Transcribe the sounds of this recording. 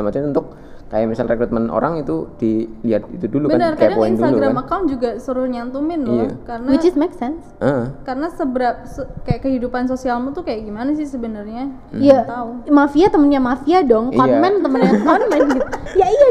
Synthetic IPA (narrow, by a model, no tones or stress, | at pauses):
mat͡ʃamunt̪ʊk̚ | ka̰jamisalrekɾut̪̚məno̰ɾaŋit̪udiliat̪̚it̪udulubənərkajadaŋpoɪinsdut̪alɡɾamakawn̚d͡ʒuɡasəɾʊrɲant̪umɪnlɔa̰kaɾənawɪd͡ʒsmeksɛnsʔəkaɾənasəbəɾap̚səkajaʔkəhidupansosialmut̪ukajaʔɡimanasɪhsəbənərɲa | jat̪aumafiat̪əmənɲamafiadɔŋkɔmɛnt̪əmənɲakɔnmɛnɡit̪ujaija